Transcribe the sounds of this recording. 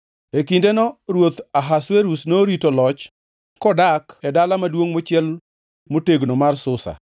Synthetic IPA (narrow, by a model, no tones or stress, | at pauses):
ekindenɔɾwot̪aɦasweɾusnoɾitolɔt͡ʃ | kɔdakɛdalamadwoŋmot͡ʃɪɛl | moteɡnomarsʊsa̰